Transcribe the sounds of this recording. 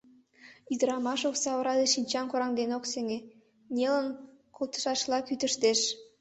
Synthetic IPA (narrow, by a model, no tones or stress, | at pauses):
id̪ə̆ɾɑmɑʃoksɑβɤ̆ɾɑd̪eʃinʲt͡ɕɑnkoɾɑŋd̪enoksĕŋe | nʲelə̆n | kolt̪ə̥̆ʃɑʃlˠɑkyt̪ə̆ʃt̪eʃ